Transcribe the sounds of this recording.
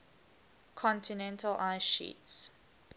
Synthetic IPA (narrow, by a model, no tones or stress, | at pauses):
kʰɔ̃ntinɛ̃ntəlʔaɪʃḭts